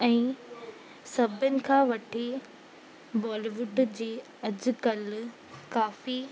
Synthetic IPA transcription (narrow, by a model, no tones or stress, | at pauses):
ɛ̃ː | sɐbʱənɪ̆kʰãːʋɐʈʰe | bɔːliʋʊɖd͡ʑeː | ɐd͡ʑ̆kɐl | kaːfi